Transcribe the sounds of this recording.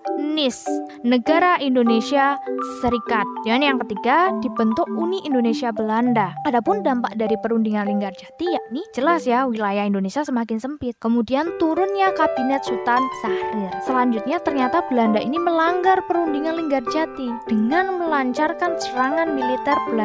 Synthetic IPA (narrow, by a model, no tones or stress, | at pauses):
nɪsnəɡaɾaʔindonesiasəɾikat̪̚janjaŋkət̪iɡad̥ibənt̪ʊkuniʔindonesiabəlandaadapʊndampaʔdaɾipəɾundiŋanliŋɡard͡ʒat̪ijaʔ̚nid͡ʒəlasjawilajahindonesiasəmakɪnsəmpɪt̪̚kəmudiant̪uɾʊnɲakabinɛt̪̚sut̪ansahɪrsəlaɲd͡ʒʊt̪̚ɲat̪ərɲat̪ab̥əlandaʔiniməlaŋɡarpəɾundiŋanliŋɡard͡ʒat̪id̥əŋanməlaɲt͡ʃarkansəɾaŋanmilit̪ɛrbəla